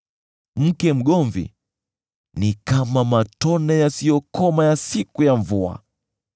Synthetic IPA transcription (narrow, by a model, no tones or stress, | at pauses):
m̩kɛm̩ɠɔɱvḭ | nikamamatɔnɛjasijɔkɔmajasikujaɱvua̰